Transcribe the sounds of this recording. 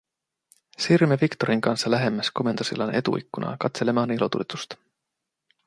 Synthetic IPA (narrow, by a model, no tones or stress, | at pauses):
sirmevikt̪o̞ɾiŋkɑnsːɑlæɦe̞mːæsko̞me̞nt̪usḭlːɑne̞t̪ṵʔikːunʔɑ̰kɑt̪se̞lemɑnilo̞t̪ṵlet̪ust̪